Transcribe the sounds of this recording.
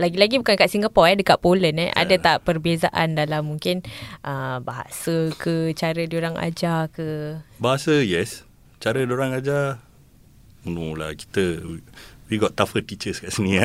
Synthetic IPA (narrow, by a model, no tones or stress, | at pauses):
laɡilaɡibukankaʔsiŋɡapɔɛdəkaʔpolənɛ̰ʔa̰dat̪aʔpərbezaʔandalamːuŋkɪnʔəbaɦa̰səkət͡ʃaɾədioɾaŋa̰d͡ʒakəbaɦasəjɛs | t͡ʃaɾədioɾaŋad͡ʒa | mənula̰ki̥t̪əiwiɡɔt̪ːafət̪it͡ʃəskaʔsənia